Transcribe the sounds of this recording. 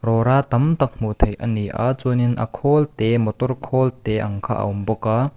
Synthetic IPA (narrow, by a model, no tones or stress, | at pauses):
ɾɔɾat̪ɐmt̪ɐk̚mut̪ʰɐjʔɐ̰niʔa̰t͡suninʔɐ̰kʰɔlt̪ɛmɔt̪ɔrkʰɔːlt̪ɛʔɐ̰ŋkʰaʔɐ̰wmbɔka